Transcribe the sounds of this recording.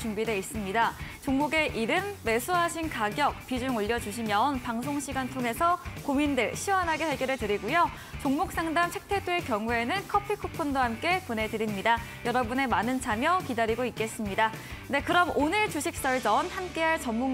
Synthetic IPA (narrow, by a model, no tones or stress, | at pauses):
t͡ɕumbideis͈ɯmɲidat͡ɕoŋmuɡe̞ʔiɾɯmːe̞sʰuɦaɕʰinkaɡjʌk̚p͈id͡ʑuŋoʎːʌd͡ʑuɕ̬ʰimjʌnpaŋs̬ʰoŋɕʰiɡantʰoŋe̞sʰʌkomindɯɭɕʰiwʌnɦaɡe̞ɸwe̞ɡjʌɾɯɭtɯɾiɡujo | t͡ɕoŋmuk̚s͈aŋdamt͡ɕʰe̞k̚tʰe̞dwe̞kjʌŋue̞nɯnkʰʌpʰikʰupʰondoɦamk͈e̞pone̞dɯɾimɲidajʌɾʌbune̞manɯnt͡ɕʰamjʌkidaɾiɡoik̚k͈e̞s͈ɯmɲidade̞kɯɾʌmonɯɭt͡ɕuɕʰik̚s͈ʌɭd͡ʑʌnhamk͈e̞ɦaɭt͡ɕʌmmuŋ